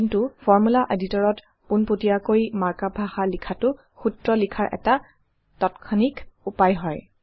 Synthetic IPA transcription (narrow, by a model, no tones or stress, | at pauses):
kintufɔɹmulaʔeditɔɹɔt | punpotiakoimaɹkabʱaxalikʰatʊ | xutɹɔlikʰaɹʔɛ̰ta | tɔtkʰɔnikupajɦɔj